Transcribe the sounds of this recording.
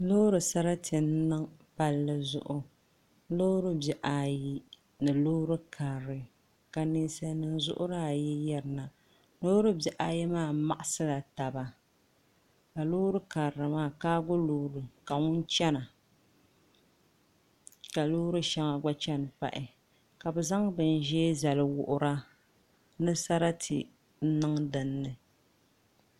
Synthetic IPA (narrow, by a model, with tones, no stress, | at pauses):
loː˦ɾɨ˨sa˦ɾa˦tʰɨ˨n˦nɨ˦ŋpa˨lːɨ˨zʊ̰˦ʔʊ˦ | lo˦ɾɨ˦bɛ˨ʔa˨ji˦ | nɨ˨lo˦ɾɨ˦kʰa˨ɾɾɨ˨ | ka˨ni˦nsa˦nɨ˦nzʊ̰˦ʔʊ̰˦ɾa˦a˨jɛ˦jɛ˦ɾɨ˨na˨ | lo˦ɾɨ˦bjɛ˨ʔa˨jɛ˦maː˦˨˦ma˨ʔa˦sɨ˦la˨ta˨ba˨ | ka˨loː˦ɾɨ˦ka˨ɾa˨maː˦˨kaː˦ɡʊ˦loː˦˨ɾɨ˨ka˨ŋʊ˦n˦t͡ʃɛ˦na˨ | ka˨lo˦ɾɨ˦ʃa˦ŋa˨ɡ͡ba˦t͡ʃɛ˦n˨pa̰˦˨ʔɪ˨ | ka˨bɛ˨za˦ŋbɨ˨n˦ʒɛ˦za˨lɨ˨wʊ˨ʔʊ˦ɾa˦ | nɨ˦sa˦ɾa˦tʰḭ˨ | n̩˦nɨ˦ŋdɨ˨nːɨ˨